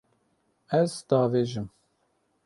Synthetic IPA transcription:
æzd̪ɑːveːʒɨm

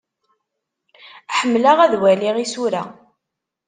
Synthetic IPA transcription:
ħəmːlaʁæðwæliʁisuɾæ̰

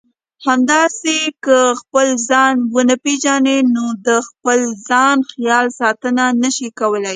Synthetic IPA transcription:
hamd̪ɑsekəxpəlzɑnwənəpeʒɑnenod̪əxpəlzɑnxjɑlsɑt̪ənanəʃikawəlaj

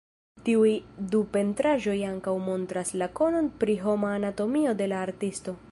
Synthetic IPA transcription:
tiujdupe̞ntɾaʒo̞jaŋkawmo̞ntɾaslako̞no̞npɾiɦo̞maːnato̞mio̞de̞laːɾtisto̞

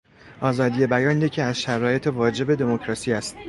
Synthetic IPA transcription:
ʔɒːzɒːd̪ije̞bæjɒːnjecʰiæzʃæɾɒːje̞t̪ʰevɒːd͡ʒe̞be̞d̪e̞mocɾɒːsiːæst̪

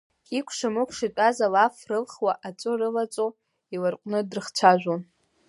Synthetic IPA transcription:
ikʷʰʂamɨkʷʰʂit͡pʷʼazalafrɨlχwaʔat͡sʷʼɨrɨlat͡sʼo | ilɨrqʷʼnɨdrɨχt͡ɕʷʰaʒᶣʷon

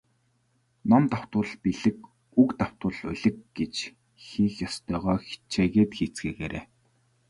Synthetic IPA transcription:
nɔmt̪aw̥t̪ʊ̆ːɮpiɮɘ̆k | ukt̪aw̥t̪ʊ̆ːɮʊ̰ɮɘ̆k̚ɡet͡ɕ | xiːxjɔst̪œːʁɔːxi̥t͡ɕʰeːɣeːt̪xiːt͡sɡeːɣeːɾḛː

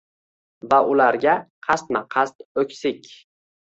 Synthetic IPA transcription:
vaʔʊlaɾɡʲaqʰɑst̪maqʰɑst̪ɵkʲsɪkʲ

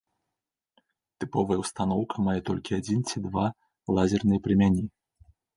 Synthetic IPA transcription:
t̪ɨpɔvɐjɛwst̪an̪ɔwkʰɐmajɛt̪ɔlʲkʲiad͡zʲint͡sʲid̪va | lˠazʲɛrnɨjɛpɾʲɨmʲanʲi

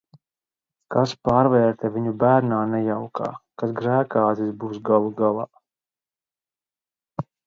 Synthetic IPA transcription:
kaspaːɾvɛːɾt̪ɛviɲubæːɾnaːnɛjawka̰ːkasɡɾæːkaːzisbuːsɡalˠuɡalˠaː

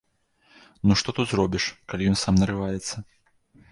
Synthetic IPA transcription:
nuʂt̪ɔt̪ut̪zɾɔbʲiʂkalʲijɔnsamnɐɾɨvajɛt̪sːɐ

